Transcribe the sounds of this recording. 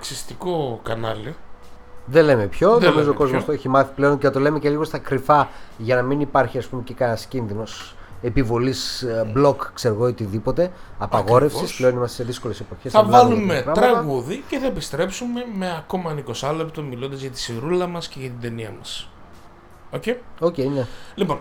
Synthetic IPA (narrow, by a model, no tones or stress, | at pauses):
ksist̪iko̞kɐnɐ̰li | ðele̞me̞pço̞nomizoko̞zmost̪oeçimɐθi̥ple̞onceɐt̪ole̞mece̞liɣo̞st̪ɐkɾifɐʝɐnɐminipɐɾçiɐspumecekɐnɐscinðino̞s | epivo̞lisblo̞kkse̞ɾoɣoot̪iðipo̞t̪e̞ɐpɐɣo̞ɾe̞fsisple̞o̞nimɐst̪eseðisko̞le̞se̞po̞çesɐvɐlumekɾɐt̪ɾɐɣuðiceθɐepist̪ɾe̞psume̞me̞ɐko̞mɐniko̞sɐlept̪omilond̪ɐzʝɐt̪i̥siɾulɐmɐsceɣɐt̪ind̪eniɐmɐs | oceo̞ceinelipon